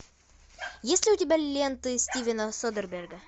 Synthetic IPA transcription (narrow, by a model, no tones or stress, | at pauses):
jesʲlʲɪʊtʲɪbʲælʲlːʲent̪ɨsʲtʲivʲɪnəsod̪ərbʲerɡə